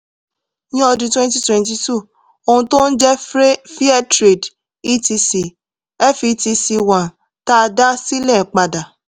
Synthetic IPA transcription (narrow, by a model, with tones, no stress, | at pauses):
jĩ˦ɔ˧dũ˧twɛ̃˦nt̬i˦twɛ̃˧nti˧tu˦˨ | o˧hũ˧to˦n̩˦d͡ʒɛ˦ɾfi˦a˦tɾe˨d | i˦ti˧si˨ | ɛ˦fi˧ti˧si˧wã˨ | ta˦˧da˦si˦lɛ˦˨k͡pa˧da˨